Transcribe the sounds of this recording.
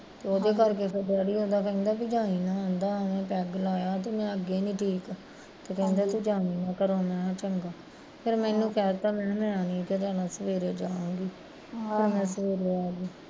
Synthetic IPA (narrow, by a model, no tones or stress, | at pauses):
t̪eːoːd̪eːkəɾkeːpɪdəɽiːõːd̪aːkɛĩnd̪aːbiːd͡ʒãːniːnãːãːnd̪aːʋẽːpɛːɡlaːjaːt̪eːmɛ̃ːəɡeːnĩːʈʰiːk | t̪eːkɛ̃nd̪aːt̪uːd͡ʒãːiːnãːkəɾõːmɛ̃ːãːt͡ʃəŋɡaː | pʰɪɾmɛ̃ːnũːkʰaːɾt̪aːmɛ̃ːmɛ̃ːãːnĩːk̪ed͡ʒ̪aːnãːsəʋeːɾeːd͡ʒaːãːŋɡiː | t̪eːmɛ̃ːsəʋeːɾeːaːɡiː